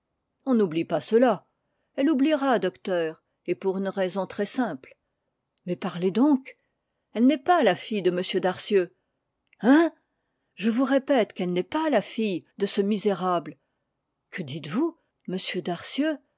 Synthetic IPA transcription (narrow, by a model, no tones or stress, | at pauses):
ɔ̃nublipasəla | ɛlubliʁad̪ɔkt̪œːʁ | epuʁynʁɛzɔ̃t̪χɛsɛ̃pl | mɛpaʁled̪ɔ̃k | ɛlnɛpalafijd̪əməsjød̪aʁsjø | ɛ̃ | ʒəvuʁepɛt̪kɛlnɛpalafijd̪əsəmizeʁabl | kʰəd̪it̪vu | məsjød̪aʁsjø